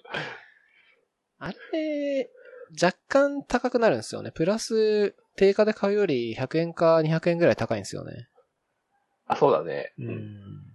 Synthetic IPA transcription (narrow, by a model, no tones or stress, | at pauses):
aɾe | d͡ʑakːãnt̪akakɯ̟naɾɯ̟̃ñsɨjo̞̰ne̞pɯ̟ɾasɨ | t̪e̞ːkad̪e̞kʰaɯ̟jo̞ɾʲiçakɯ̟ẽ̞ŋkaɲ̟içakɯ̟ẽ̞ŋɡɯɾait̪akaĩsɨjo̰nḛ | aso̞ːd̪a̰nḛɯ̟ɯ̃ɴ